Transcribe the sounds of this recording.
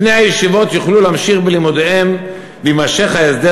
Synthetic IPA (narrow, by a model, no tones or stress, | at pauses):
ne̞jhajeʃivo̞t̪joχlulamʃiχbelimud̪eem | vimaʃeχhaesd̪e